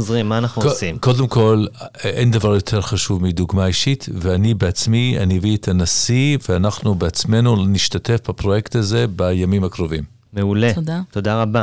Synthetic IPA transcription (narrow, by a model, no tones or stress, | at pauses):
zʁimːaːnaχnusimko̞de̞mko̞lʔendavaʁjo̞tʰe̞ʁχaʃuvmid̪uɡmaiʃitveanibeat͡smia̰nieviet̪ʰanasiveanaχnubeat͡sme̞nuniʃtate̞fbapʁo̞jektaze̞bajamimakʁovim | meuleodato̞d̪aʁaba